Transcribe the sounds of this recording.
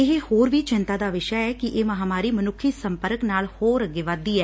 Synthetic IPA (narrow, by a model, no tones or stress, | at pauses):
ɪɦehoːɾʋiːt͡ʃɪnt̪aːd̪aːʋɪʃɛɛːkɪʔeːməɦaːmaːɾiːmənʊkʰːiːsəmpəɾəknaːlhoːɾəɡeːʋaːd̪iːɛː